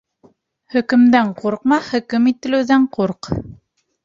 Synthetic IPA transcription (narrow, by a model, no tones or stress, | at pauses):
hɵ̆kɵ̆md̪æɴquɾq̚mɑhɵ̆kɘmit̪ɘ̆lɘ̆wðæɴquɾq